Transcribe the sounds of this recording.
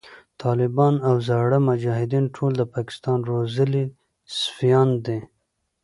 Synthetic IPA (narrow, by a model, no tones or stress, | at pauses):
t̪ʰɑlɪbɑnawzɑɽəmʊd͡ʒɑɦɪd̪inʈʰold̪əpɑkɪ̥st̪ɑnɾozəli | sfijɑnd̪e